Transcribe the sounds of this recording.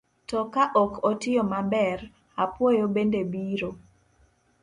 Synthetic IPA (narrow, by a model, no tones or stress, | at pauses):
tɔkaʔɔkɔtɪjɔmabɛr | apwojobendebiɾo